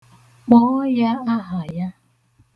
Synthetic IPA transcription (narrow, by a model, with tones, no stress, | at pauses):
k͡pɔː˦ja˦a˦ɦa˨ja˦